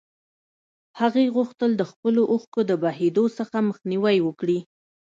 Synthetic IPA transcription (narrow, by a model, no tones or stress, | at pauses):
haɣeɣuxt̪əld̪əxpəloʔuxkod̪əbaɦed̪osəxaməxniwajwəkɽi